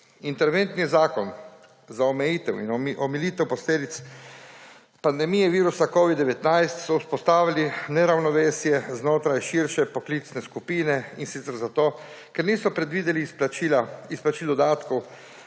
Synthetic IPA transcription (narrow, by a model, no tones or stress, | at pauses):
int̪ɛɾʋent̪nizaːkɔn | zaɔmɛjiːt̪ɛwḭnʔɔmiliːt̪ɛwpɔsleːd̪it̪s | pand̪ɛmiːjɛʋiːɾusakɔːʋid̪d̪ɛʋɛt̪najst̪sɔuspɔst̪aːʋilinɛɾawnɔʋeːsjɛznoːt̪ɾajʃiɾʃɛpɔklit̪snɛskupiːnɛinsit̪sɛɾzat̪oː | kɛɾniːsɔpɾɛd̪ʋiːd̪ɛliilaisplat͡ʃiːld̪ɔd̪aːt̪kɔw